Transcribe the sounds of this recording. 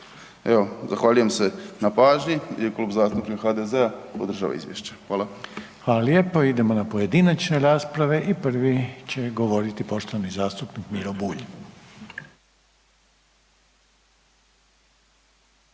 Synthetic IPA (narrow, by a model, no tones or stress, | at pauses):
eozaxʋaːʎujemse̞napaːʒɲijekluːbzaːst̪upɾikxad̪ezeapod̪ɾr̩ʒa̰ːʋa̰ḭzʋjḛʃt͡ɕe̥xʋaːlˠaxʋaːlaljepo̞id̪e̞mo̞napoje̞d̪inat͡ʃne̞ɾaːspɾaʋe̞ʔipr̩ʋit͡ɕe̞ɡo̞ʋo̞ɾit̪ipo̞ʃt̪oʋanizaːst̪upnikmiɾobuːʎi